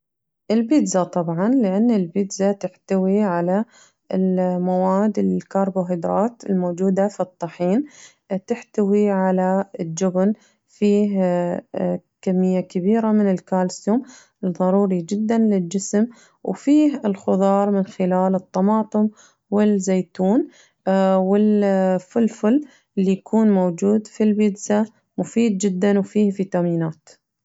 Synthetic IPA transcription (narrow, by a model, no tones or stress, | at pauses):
ʔɪlbɪd̪zat̪ˤɑbʕɑnlɪʔanːɪlbɪd̪zat̪ɪħt̪awiʕala | ɪlmawaːd̪ɪlkɑːɾˤboɦɪd̪ɾˤɑːt̪ɪlmoːd͡ʒuːd̪afit̪ˤːɑħiːn | t̪ɪħt̪awiʕalaɪd͡ʒʊbn | fiː | kamːɪjːakabiːɾamɪnɪlkaːlsuːm | lðˤɑɾˤuːɾid͡ʒɪd̪ːanlɪld͡ʒɪsm | wfiːɦɪlxʊðˤɑːɾˤmɪnxɪlaːlɨt̪ˤːɑmɑːt̪ˤɨm | wɪlzeːt̪uːn | wɪlfʊlfʊl | ʔɪlːijkʰuːnmowd͡ʒuːd̪filbɪd̪sa | mʊfiːd̪̚d͡ʒɪd̪ːanwfiːhfit̪amiːnaːt̪